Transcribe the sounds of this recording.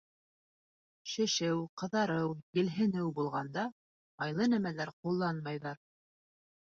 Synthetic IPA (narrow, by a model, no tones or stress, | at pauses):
ʃɘ̆ʃɘwqɤ̆ðɑɾɤwjɘ̆lɦɘ̆nɘwbulˠʁɑnd̪ɑ | ɑjlˠɤnæmælæɾqulˠːɑnmɑjðɑɾ